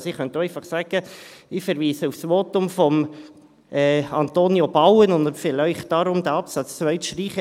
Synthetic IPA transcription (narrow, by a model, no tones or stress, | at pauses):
siχœntoɛɪfɑχsæɡ̥əɪfɛɾʋiːsəufsʋoːtʊmfɔm | ɛɑnt̪oːnjobɑwənʊnd̪fɪlœɪχt̚d̥ɑɾʊmd̥̪æɑpsɑt͡st͡sʋœʏtʃtɾiːχə